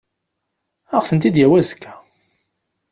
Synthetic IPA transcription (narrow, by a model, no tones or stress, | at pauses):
æʁθənt̪id̪jæwæzkʰːæ̥